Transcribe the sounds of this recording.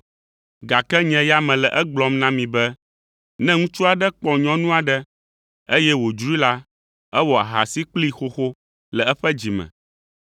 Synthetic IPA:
ɡa˨kɛ˦ɲɛ̃˨ja˦mɛ̃˨lɛ˨ʔɛ˦ɡ͡blɔ˦mnã˦mĩ˨bɛ˦ | nɛ̃˦ŋũ˦t͡ʃu˦a˨ɖɛ˦k͡pɔ˨ɲɔ̃˦nũ˦a˨ɖɛ˦ | e˦jɛ˦wo˨d͡ʒɾu˦i˦la˦ | ɛ˦wɔ˨a˨ɦa̰˨si˦k͡pli˦xo˦xo˦ | lɛ˨ɛ˦ɸɛ˦d͡ʑi˨mɛ̰̃˨

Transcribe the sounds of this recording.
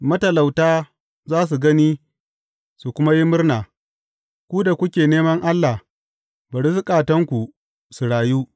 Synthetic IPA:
mɐ˦tɐ˨la˨wtaː˦ | zaː˦s̬u˨ɡɐ˦niː˦ | su˨kʷʊ˦ma˦ji˦mʊ˦rnaː˨ | kʷu˦da˨kʷʊ˦kʲeː˨neː˦mɐ˦ŋʔa˦lːa˨h | bɐ˨ɽsɪ˦kʼaː˨tɐ˦ŋkʷu˨ | su˨ɽaː˨juː˦

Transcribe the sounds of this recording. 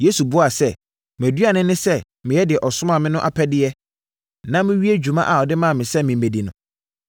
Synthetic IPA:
je˦su˨bʊ˦a˨sɛ˦ | m˨æ˨dɥa˨nɪ̃˦nɪ̃˦sɛ˦ | mɪ̃˨jɛ˦dɪ˨ɛ˨ʔɔ˨sʊ˦mã˨mɪ̃˦nʊ̃˦ʔa˨pʰɛ˦dɪ˦ɛ˦ | nã˦mɪ̃˦ɥi˦e˦d͡ʑᶣu˨mã̰˦ʔa˨ɔ˨dɪ˦mã˦˨mɪ̃˨sɛ˦mɪ̃˨m̩˨me˨di˨nʊ̃˨

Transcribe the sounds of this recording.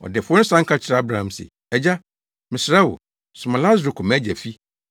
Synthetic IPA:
ɔ̰˨dɛ˨fʊ˦ɔ˦nɪ̃˦sã˦ŋ̩˦kʰa˦t͡ɕʰɪ˨ɾa˦bɾã˨ã˨msɛ̰˨ | ɛ˨d͡ʑa˦ | mɪ̃˨sɾa˦wʊ̰˨ | sʊ˨mã˨la˦zɾʊ˨kʰʊ˨mɛ̃˦d͡ʑæ˨fi˦

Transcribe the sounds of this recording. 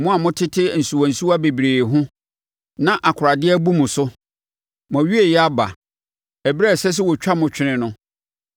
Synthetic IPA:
mʊ̃˦a˨mʊ̃˦tʰɪ˦tʰɪ˦˨n̩˨su˨wã˨n̩˨su˦a˦be˨bɾeː˨ɦʊ̃˦ | nã˦ʔa˨kʰʊ˨ɾa˨dɪ˦ɛ˦bu˦mũ˨sʊ˦ | mɔ̃˨ɥi˦e˨jɛ˦a˦ba̰˨ | æ˨bɾɛ˦˨sɛ˦s̬ɪ˦wɔ˨t͡ɕᶣa˦mʊ̃˨t͡ɕᶣɪ˦nɪ̃˦nʊ̃˦

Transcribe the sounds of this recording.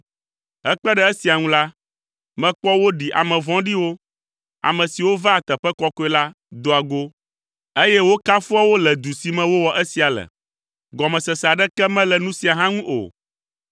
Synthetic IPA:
ɛ˦k͡pɛ˦ɖɛ˦e˦si˨a˨ŋũ˦la˦ | mɛ̃˦k͡pɔ˦wo˦ɖi˨ʔa̰˨mɛ̃˨vɔ̃˦ɖi˦wo˦ | a̰˨mɛ̃˨si˨wo˦va˦a˨t̪ɛ˨ɸɛ˦kɔ˦kɔ˦ɛ˦la˦ | d̪o˨a˨ɡo˦ | e˦jɛ˦wo˦ka˦fu˦a˦wo˦lɛ˨d̪u˨si˨mɛ̃˦wo˦wɔ˨ʔe˦si˨a˨lɛ̰˨ | ɡɔ˨mɛ̃˨sɛ˨sa˨ɖɛ˦kɛ˦mɛ̃˦lɛ˨nũ˦si˨a˨ɦã˦ŋũ˦ʔo̰˨

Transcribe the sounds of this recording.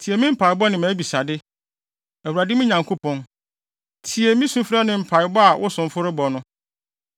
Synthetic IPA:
tʰi˨e˨mɪ̃˦m̩˦pʰa˨ɪ˨bɔ˦nɪ̃˨mæ̃˨˦bi˨sa˨dɪ˦ | æ˨u˨ɾa˨dɪ˦mɪ̃˦ɲã˨ŋkʰo˦pʰɔ̃˦n | tʰi˨e˨mĩ˦sũ˦fɾa˦nɪ̃˨m̩˨pʰa˨ɪ˨bɔ˦a˨wʔʊ˦sʊ̃˨m˦fʊ˦ɾɪ˦bɔ˨nʊ̃˦

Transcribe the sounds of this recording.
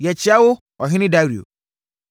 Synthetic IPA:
jɛ˨t͡ɕi˨˦a˦wʊ˦ | ɔ˨ɦĩ˦nĩ˦da˦ɾi˨o̰˨

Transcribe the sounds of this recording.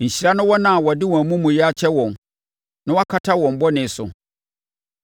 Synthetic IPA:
ɲ̩˨ɕi˨ɾa˦nʊ̃˦wɔ˦nã˨wɔ˨dɪ˦wɔ̃˨mũ˦mʊ̃˨jɛ˦a˦t͡ɕʰɛ˦wɔ̃˨n | nã˦wa˦kʰa˦tʰa˦wɔ̃˨m˦bɔ˦nɪ̃˨˦sʊ̰˨

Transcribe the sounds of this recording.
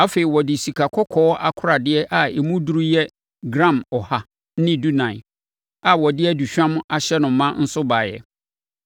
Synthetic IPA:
a˦fe˨i˨wɔ˨dɪ˨si˨kʰa˨kʰɔ˦kʰɔː˦ʔa˨kʰʊ˦ɾa˨dɪ˦ɛ˦ʔa˨e˨mũ˦du˦ɾu˦jɛ˦ | ɡɾã˦˨mɔ˨ha˨˦ | nɪ̃˦du˦nã˨ɪ˨ | a˨wɔ˨dɪ˦ɛ˦du˨ɕᶣã˦m˦a˨ɕɛ˦nʊ̃˨˦mã˦n̩˦sʊ˦ba˨jɛ̰˨

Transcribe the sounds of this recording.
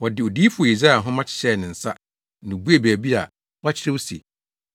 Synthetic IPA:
wɔ˨dɪ˨ɔ˨diː˦fʊ˨o˨i˨zɾa˦˨ɦʊ̃˦mã˦t͡ɕʰɪ̥˨ɕɛ˦˨nɪ̃˨n̩˨sa˦ | nʊ̃˨bu˦e˦˨bæː˨bi˦a̰˨ | wa˦t͡ɕʰɪ˦ɾɪ˦wsḛ˨

